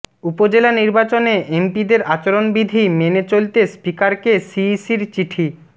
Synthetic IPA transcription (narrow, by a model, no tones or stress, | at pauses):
upod͡ʑelaniɾbat͡ɕoneʔempid̪eɾat͡ɕoɾonbid̪ʱimenet͡ɕolt̪espikaɾkesisiɾt͡ɕiʈʰi